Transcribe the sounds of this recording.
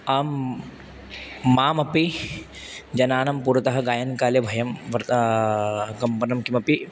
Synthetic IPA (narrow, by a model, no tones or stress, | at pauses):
aːm | aːmɐpi | d͡ʒɐnaːnɐmpuɾɐt̪ɐɦɐɡaːjɐnkaːljebʱɐjɐmʋɐɾt̪ | ɡɐmpɐnɐmkimɐpi